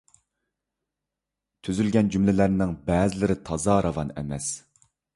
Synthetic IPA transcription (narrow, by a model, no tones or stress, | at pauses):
t̪ʰyzylɡʲɛnd͡ʒymlɪlæɾnɪŋbɛːzɪlɪɾɪt̪ʰɑzɑɾɑvɑnɛ̰mɛs